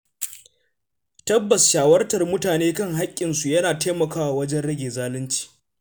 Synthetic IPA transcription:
tɐ˦bːɐ˨sʃaː˨wɐ˦rtɐ˨rmʊ˦taː˨neː˦kɐ˦ŋɦa˦kʲʼːɪ˨nsu˨jɐ˦naː˨teː˦mɐ˨kaː˦wa˨wɐ˦d͡ʒɛ˦nɽɐ˦ɡʲeː˨zaː˦lɪ˦nt͡ʃi̥ː˨

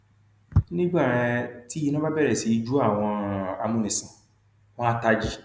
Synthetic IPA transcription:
nĩ˦ɡ͡ba˦˨ɾ̃ã˧ti˦i˧nã˦ba˦bɛ˦ɾɛ˨si˨˦d͡ʒu˦a˦˨w̃ɔ̃˧a˧mũ˦˨nĩ˨sã˨ | w̃ɔ̃˦a˦ta˧d͡ʒi˦

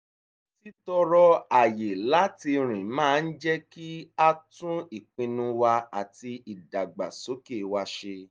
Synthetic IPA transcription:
ti˦tɔ˧ɾɔ˧a˨je˨la˦ti˧ɾ̃ĩ˨mãː˦˨n̩˦d͡ʒɛ˦ki˦a˦tũ˦i˨k͡pĩ˧nũ˧wa˧a˨ti˧i˨da˨ɡ͡ba̰˨so˨˦ke˦˨wa˧ʃe˧

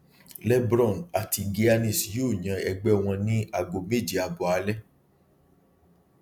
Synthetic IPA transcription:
lɛ˦bɾɔ̃˦˨na˨ti˧ɡe˦a˦nĩ˦˨sjo˦˨ɲã˨ɛ˧ɡ͡bɛ˦w̃ɔ̃˧nĩ˦a˨ɡo˨me˦˨d͡ʒi˨a˨bɔ˨a˧˦lɛ˦

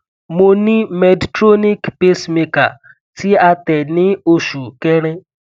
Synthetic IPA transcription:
mo˧nĩ˦mɛ˨dtɾo˦ni˦kpe˦sme˧ka̰˨ | ti˦a˧tɛ˨nɪ̃˦o˦ʃu˨ke˦ɾ̃ɪ̃˦

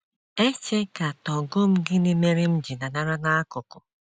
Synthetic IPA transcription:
e˦t͡ʃe˦ka˨tɔ˨ɡʊ˦m̩˦ɡɪ˦ne˦me˦ɾɪ˦m̩˦d͡ʒi˨na˨na˦ɾa˦na˦a˦kʊ˨kʊ˨

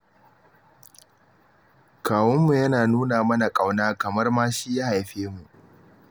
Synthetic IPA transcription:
kʰaː˨wɐ˦mːu˨jɐ˦naː˨nuː˦naː˨mɐ˦na˨kʼa˨wnaː˦kɐ˨mɐ˦rmaː˦ʃi˦jaː˦ha˨jɸeː˦mu˨ʔ

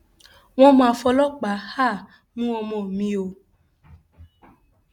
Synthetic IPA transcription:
w̃ɔ̃˦mã˨˧fɔ˧lɔ˦k͡pa˨˦ha˦˨ | nũ˦wɔ̃˧mɔ̃˨mĩ˧o˨

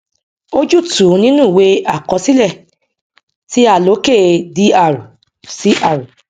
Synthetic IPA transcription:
o˦d͡ʒu˦˨tu˨˦nĩ˦nũ˦˨we˧a˦˨kɔ˧˦si˦lɛ˦˨ | ti˦a˦˨lo˨˦ke˦˨di˨˦a˦˨ɾu˨ | si˦ʔa˦˨ɾu˨

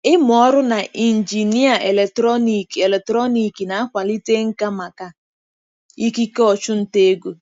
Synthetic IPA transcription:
ɪ˦mʊ˨ɔ˦ɾʊ˦na˨ʔi˨n̩˨d͡ʒi˨ni˦a˨ʔe˨le˨k̚tɾɔ˦ni˨ke˨le˨tɾɔ˦ni˨ki˨na˨a˦kʷa˨li˦te˦ŋ̩˦ka˦ma˨ka˦ | i˦ki˦kɔ˨t͡ʃʊ˦n̩˦te˦e˦ɡo˨

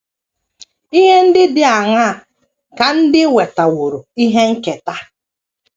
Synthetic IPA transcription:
i˦ɦe˦n̩˦dɪ˦dɪ˦a˨ŋa˦˨ | ka˨n̩˦dɪ˦we˨ta˨wʊ˨ɾʊ˨i˦ɦe˦ŋ̩˦ke˨ta˦

